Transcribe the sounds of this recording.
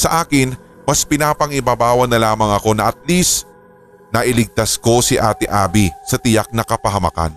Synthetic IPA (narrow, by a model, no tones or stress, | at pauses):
sɐʔaːkɪn | mɐspɪnaːpɐŋɪbaːbaːwɐnɐlaːmɐŋɐko̞nɐʔɐt̪̚lis | nɐʔɪlɪɡ̚t̪asko̞sɪʔaːt̪ɪʔaːbisɐt̪ɪjak̚nɐkɐpɐɦɐmɐ̰ka̰n